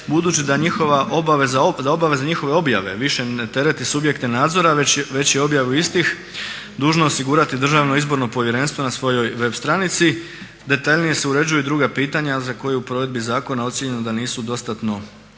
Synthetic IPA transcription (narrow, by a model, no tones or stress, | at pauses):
bud̪ut͡ɕid̪aɲixoʋaʔobaʋezad̪ao̞baʋe̞zaɲixo̞ʋe̞o̞bja̰ʋe̞ʋiʃenet̪e̞ɾe̞t̪isubje̞kt̪e̞naːd̪zo̞ɾaeʋe̞t͡ɕjeo̞bjaʋuist̪ix | d̪uːʒnoosiɡuɾat̪id̪r̩ʒaʋnoizbo̞ɾno̞po̞ʋje̞ɾe̞nst̪ʋo̞nasʋo̞jo̞jʋe̞bst̪ɾanit̪si | d̪e̞t̪aʎnije̞se̞uɾe̞d͡ʑujud̪ɾuːɡapiːt̪aɲazako̞jeupɾo̞ʋe̞d̪̚bizaːko̞nao̞t̪sjeɲe̞nod̪aniːsud̪o̞st̪at̪no̞